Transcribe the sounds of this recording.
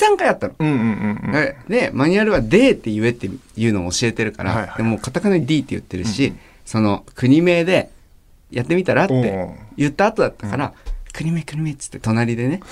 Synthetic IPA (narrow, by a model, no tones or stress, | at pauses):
sãŋkajat̪ːanõ | aene̞maɲ̟ʲiaɾɯ̟βad̪e̞ːt̪ːe̞iβe̞t̪ːejɯ̟ːnomoɕie̞t̪e̞ɾɯ̟ka̰ɾa̰d̪emo̞ːkat̪akɯnaid̪ʲiːt̪ːejɯ̰t̪ːe̞ɾɯ̟ɕi | so̞no̞kɯ̟ɲ̟ime̞ːd̪e̞ | jat̪ːe̞mʲit̪aɾat̪ːe̞̰jɯ̟t̪ːaːt̪o̞d̪at̪ːakaɾakɯ̟ɲ̟imeːkɯ̟ɲ̟imeːt͡sɨ̥t̪ːe̞t̪o̞naɾʲid̪e̞ne̞